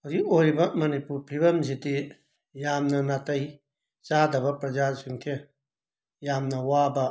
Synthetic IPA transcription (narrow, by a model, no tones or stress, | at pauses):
ɐɡiʔojbɐmɐnipuɾpʰibɐmd͡ʒit̪i | jamnɐnat̪ɐj | t͡ʃad̪ɐbɐpɾɐd͡ʒasuŋtʰe | jamnɐwaba